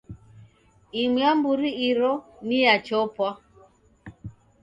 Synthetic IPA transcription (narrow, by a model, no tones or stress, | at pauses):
imiambuɾiiɾɔnijat͡ʃɔpwa